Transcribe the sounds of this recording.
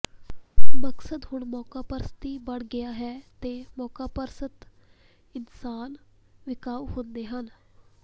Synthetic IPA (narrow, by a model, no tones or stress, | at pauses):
məksəd̪ɦʊɳmɔːkaːpəɾsət̪iːbəɽɡɪjaːɦɛːt̪eːmɔːkaːpəɾsət̪ | ɪnsaːn | ʋɪkaːʋhʊ̃nd̪eːɦən